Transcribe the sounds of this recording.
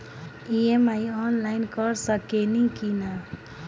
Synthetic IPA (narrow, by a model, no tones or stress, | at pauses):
iemajɔnlaɪnkəɾsəkenikina